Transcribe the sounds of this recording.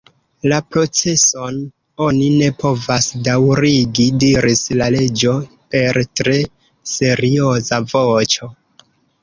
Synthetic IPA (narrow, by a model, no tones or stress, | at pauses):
lapɾo̞t͡se̞so̞n | o̞nine̞pʰo̞vasdawɾiɡidiɾislale̞d͡ʒo̞ | pe̞ɾtɾe̞ | se̞ɾio̞zavo̞t͡ʃo̞